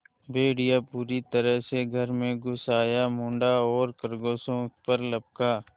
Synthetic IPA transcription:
bʱeːɽijapuːɾit̪əɾəɦseɡʱəɾmẽɡʊsaːjamʊ̃ːɳɖaɔːɾkəɾɡoːsõpəɾlɐb̚kaː

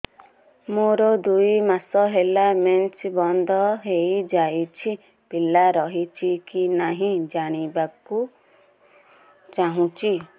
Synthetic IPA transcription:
moɾɔd̪ujmasɔɦelament͡ʃbɔnd̪ʱɔɦejd͡ʒajt͡ʃʰi | pilaɾɔɦit͡ʃʰikinaɦĩd͡ʒaɽ̃ibaku | t͡ʃaɦũt͡ʃʰi

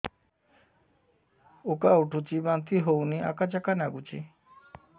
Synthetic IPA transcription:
okauʈʰut͡ʃibant̪iɦowniʔa̰kad͡ʒakanaɡut͡ʃḭ

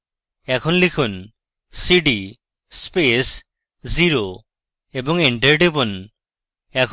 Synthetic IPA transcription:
ɛkʰɔnlikʰun | siɖi | spes | ziɾo | ebɔŋiɳʈeɾɖibɔn | ɛkʰ

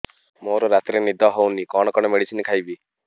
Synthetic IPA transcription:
moɾɔɾat̪iɾenid̪ʱɔɦownikɔɽ̃ɔkɔɽɔmeɽit͡ʃʰinikʰajbi

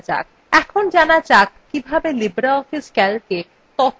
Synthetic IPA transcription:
d͡ʑa̰k̚ | ɛkʰond͡ʑanad͡ʑakːibʱabelibɾaɔfiskɛlke | t̪ɔt̪

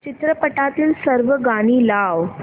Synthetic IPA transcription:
t͡ɕit̪ɾəpəʈat̪iːlsəɾʋəɡaɽ̃iːlaʋ

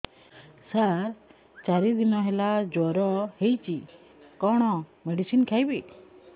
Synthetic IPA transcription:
saɾ | t͡ʃaɾid̪inɔɦelad͡ʒɔɾɔhejt͡ʃi | kɔɽ̃ɔmeɖisinkʰajbi

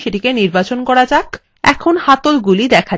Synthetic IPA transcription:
ʃeʈikeniɾbat͡ɕonkɔɾad͡ʑak | ɛ̰kʰonhat̪olɡulid̪ɛkʰa

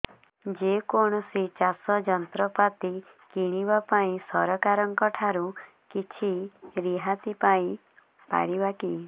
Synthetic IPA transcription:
d͡ʒekoɽ̃ɔsit͡ʃasɔd͡ʒɔnt̪ɾɔpat̪i | kiɽ̃ibapaĩsɔɾɔkaɾɔŋkɔʈʰaɾu | kit͡ʃʰiɾiɦat̪ipaĩ | pa̰ɽibaki

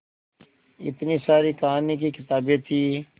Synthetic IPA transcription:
ɪ̰t̪niːsaːɾiːkaːnikikɪt̪aːbẽt̪ʰiː

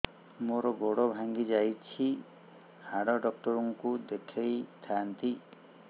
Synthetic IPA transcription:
moɾɔɡoɽɔbʱaŋɡid͡ʒajt͡ʃʰi | haɽɔɖɔk̚ʈɔɾɔŋkud̪ekʰejt̪ʰant̪i

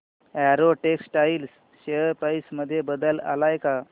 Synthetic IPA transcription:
ɛɾoʈeksʈails | ɕeəɾpəjsməd̪ʱːjebəd̪əla̰lajka

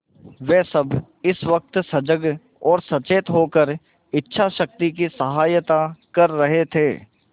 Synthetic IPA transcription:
ʋeːsɐb | ɪsʋɐk̚t̪sɐd͡ʒəɡ | ɔːɾsɐt͡ʃeːt̪ɦoːkəɾ | ɪtːʃʰaʃɐk̚t̪ik̬isɐɦaːjət̪akɐɾːɐɦet̪ʰeː

